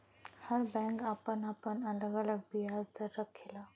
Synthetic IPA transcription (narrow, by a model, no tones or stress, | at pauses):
həɾbɛ̃ŋkapənapənələɡələɡbijazd̪əɾːəkʰela